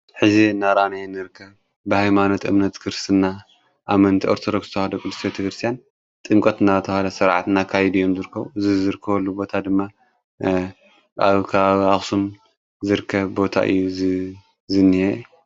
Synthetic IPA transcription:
ħɨzinaɾanajnɨɾɨkʰːɐβ | bɨhajmano̞t̪ɨmnɐt̪kʰɨɾst̪ʰɨnːa | ʔamɐnt̪ʰiʔoɾt̪ʰod̪oksz̥ɨt̪ɐhad̪okʼɨd̪ɨst̪ʰjt̪ʰikɾɨst̪ʰjan | t̪ʼɨŋkʼɐt̪ɨnat̪ʰɐhalɐsɐɾʕat̪nakʰajɛd̪ijo̞mzɨɾɨkʰːɐβuzɨzɨɾɨkʰːɐβɐlːubo̞t̪ʰad̪ɨmːa | ʔaβkʰaβaβiaxsum | zɨɾɨkʰːɐβbo̞t̪ʰa̰ʔɨ̰jːuzɨ | zɨnːɨhe

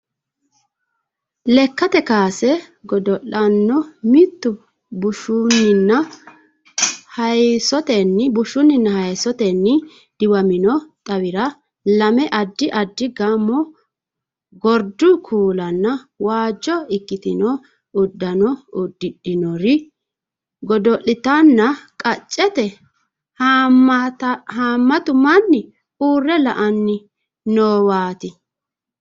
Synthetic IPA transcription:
lɛkːɐt̪ɛkaːsɛɡɔd̪ɔʔɐnːɔmɪt̪ːʊ | bʊʃunːɪnːɐ | hɐjsɔt̪ɛnːɪbʊʃʊnːɪnːɐhɐjsɔt̪ɛnːɪ | d̪̥ɪwɐmɪnɔt̪ʼɐwɪɾɐ | lɐmɛʔɐd̪ːɪʔɐd̪ːɪɡɐmːɔ | ɡɔɾd̪ʊkʰuːlɐnːɐwaːd͡ʒːɔɪkːɪt̪ɪnɔ | ʊd̪ːɐnɔʊd̪ːɪɗɪnɔɾɪ | ɡɔd̪ɔʔɪt̪ɐnːɐkʼɐt͡ʃʼːɛt̪ɛ | t̪haːmːɐt̪ʊmɐnːɪ | uːrːɛlɐ̰ʔɐnːɪ | noːwaːt̪ɪ

